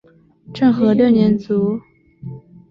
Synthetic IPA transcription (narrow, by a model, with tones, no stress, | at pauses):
ʈ͡ʂɤ˥˩ŋxɤ˧˥ljɤ˥˩njɛ˧˥nt͡su˧˥